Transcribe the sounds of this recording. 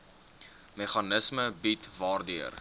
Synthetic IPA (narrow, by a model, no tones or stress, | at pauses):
meχɐnəsməbitvɑːrdiər